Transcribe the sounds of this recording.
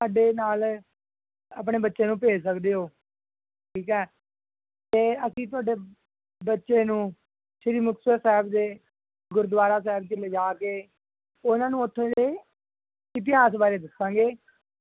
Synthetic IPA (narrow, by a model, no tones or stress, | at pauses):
saːɖeːnaːl | əp̬ɳeːbətːʃeːnũːpeːd͡ʒs̬əkd̪eːɦoː | ʈʰiːkɛː | t̪eːəsĩːt̪̬ʊaːɖeː | bətːʃeːnũː | ʃɪɾiːmʊksəsɛːbd̪eː | ɡʊɾd̪ʋaːɾaːs̬ɛːbt͡ʃəleːd͡ʒaːkeː | ʊnãːnũːʊt̪ʰːõːdeː | ɪt̪̬ɪɦaːs̬baːɾeːd̪ɪsãːɡeː